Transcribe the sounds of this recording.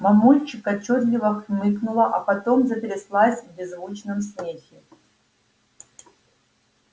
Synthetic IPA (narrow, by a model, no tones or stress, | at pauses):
mɐmulʲt͡ɕɪkɐt͡ɕːot̪lʲɪvɐkʲmɨknulˠɐʔɐpɐt̪omzɐtʲɾʲɪslˠasʲvbʲɪzvut͡ɕnɨms̬mʲexʲɪ